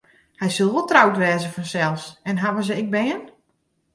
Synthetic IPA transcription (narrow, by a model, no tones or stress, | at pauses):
hɛjsulˠʋɔlˠtrawtʋɛːzəfɔnsɛlˠsɛnɦaʋəz̬əɪk̚bɛːən